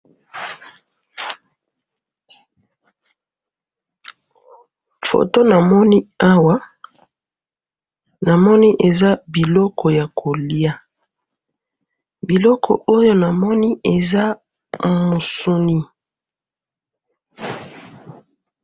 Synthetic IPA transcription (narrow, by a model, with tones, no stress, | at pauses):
fo̰˨to˦na˨mɔ˦ni˦a˦wa˦ | na˨mɔ˦ni˦ʔe˨za˦bi˨lɔ˦kɔ˨ja˨kʰo˨li˦a˦ | bi˨lɔ˦kʰɔ̰˨o˦jo˦na˨mɔ˦ni˦e˨za˦ | mo˨so˦ni˦